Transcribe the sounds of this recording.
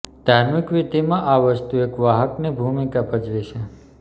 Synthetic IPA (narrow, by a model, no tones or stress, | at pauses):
d̪̥ʱaɾmikʋit̪imãʔaʋəst̪uekʋaɦəknebʱumikapəd͡ʒʋet͡ʃʰe